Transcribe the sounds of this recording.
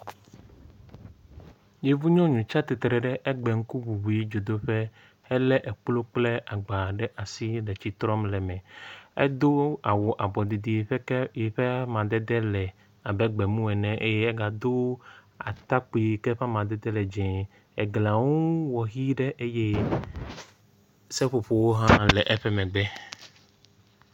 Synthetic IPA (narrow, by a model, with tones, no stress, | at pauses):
je˨vu˦ɲɔ̃˦ɲũ˨t͡ʃa˦t̪e˨t̪ɾɛ˨ɖɛ˦ʔɛ˦ɡ͡bɛ˨ŋ̩˦ku˦bu˨bu˨ji˦d͡ʒo˨d̪o˦ɸɛ˦ | hɛ˦lɛ˦ʔɛ˨k͡plo˦k͡plɛ˦ʔa˨ɡ͡ba˨ɖɛ˦ʔa˨si˦lɛ˨t͡ɕi˦t̪ɾɔ˦mlɛ˨mɛ̃˨ɛ̰˦d̪o˦a˨wo˨ʔa˨bɔ˨d̪i˨d̪i˨ɸji˨ɸɛ˦mã˨d̪ɛ˦d̪ɛ˦lɛ˨ | a˨bɛ˦ɡ͡bɛ˨mũ˦ɛ˨nɛ̃˨ʔe˦je˦ɛ˦ɡa˨d̪o˦ | a̰˨t̪a˦k͡pi˨kɛ˦ɸa˦mã˨d̪ɛ˦d̪ɛ˦lɛ˨d͡ʒɛ̃˨ | ɛ˨ɡla˨wũ˦wɔ˨ɣi˦ɖɛ˦ʔe˦je˦ | sɛ˦ɸo˨ɸo˨wo˦ɦã˦lɛ˨ʔɛ˦ɸɛ˦mɛ̃˨ɡ͡bɛ˦